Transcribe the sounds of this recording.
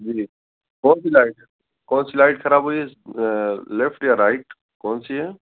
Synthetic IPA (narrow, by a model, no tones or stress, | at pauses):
d͡ʒiː | koːnsilaːɪʈ | koːnsilaːɪʈkʰɐɾaːbɦoie | lefʈjəɾaɪʈ | koːnsiɦeː